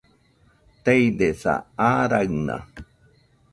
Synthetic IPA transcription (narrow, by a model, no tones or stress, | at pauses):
t̪ejd̪esa̰aɾaɰna̰